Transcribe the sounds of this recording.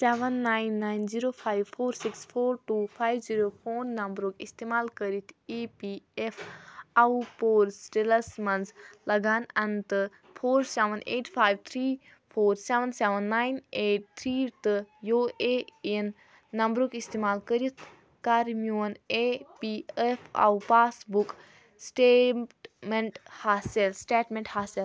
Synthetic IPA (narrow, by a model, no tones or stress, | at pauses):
seʋənːajnːaːjnziɾoːpʰaːjʋfʰoːɾsikspʰoːɾʈuːpʰaːjʋziɾoːpʰoːnːɐmbɾoːkist̪emaːlkəɾit̪ʰipiepʰaupoːɾsʈelɐsmɐnzlɐɡʱaːnɐnt̪ɨ | pʰoːɾseʋəneːʈpʰaːjʋt̪ʰɾiː | pʰoːɾseʋənseʋənːaːjneːʈ̚t̪ʰɾiːɾt̪ɨjoːeenː | ɐmbɾukist̪eːmaːlkəɾit̪ʰ | kaɾmijonepiefʰa̰upaːsbuk | sʈeːmeɳʈhaːselsʈeːʈmeɳʈhaːsil